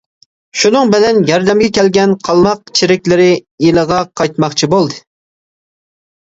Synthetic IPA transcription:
ʃunɨŋbɪlɛnjɑɾd̪ɛmɡʲɛkʲʰɛlɡʲɛnqʰɑlˠmɑq̚t͡ʃʰiɾɪkʲlɪɾɪjeləʁɑqʰɑjt̪mɑχt͡ʃʰibolˠd̪ɨ

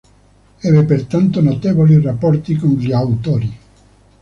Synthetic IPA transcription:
ɛbepert̪ant̪onot̪eːvolirapːɔrt̪ikonʎiawt̪oːɾi

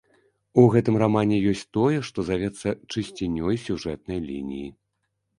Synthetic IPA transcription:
uɣɛt̪ɨmramanʲɛjɔsʲt͡sʲt̪ɔjɛʂt̪ɔzavʲɛt̪sːɐt͡ʂɨsʲt͡sʲinʲːɔjsʲuʐɛt̪̚nɐjlʲḭnʲḭji

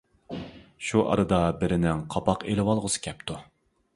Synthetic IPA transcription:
ʃuʔɑ̰ɾɨd̪ɑbɪɾɪnɪŋqʰɑpɑqelɪwɑlˠʁʊsɨ̥kʲʰɛp̚t̪ʰu

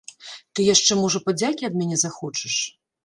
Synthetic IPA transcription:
t̪ɨjaʂt͡ʂɛmɔʐɐpad͡zʲakʲiɐd̪mʲanʲɛzaxɔt͡ʂɨʂ

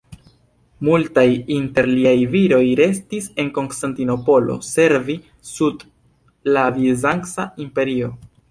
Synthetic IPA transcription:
multajinte̞ɾliajviɾo̞jɾe̞stise̞nko̞nstantino̞po̞lo̞̰se̞ɾvi | sud | lavizaŋksaimpe̞ɾio̞

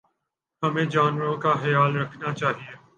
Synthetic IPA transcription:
hɐmẽːd͡ʒaːnʋəɾõkaxɐjaːlɾɐkʰnat͡ʃaːɦieː

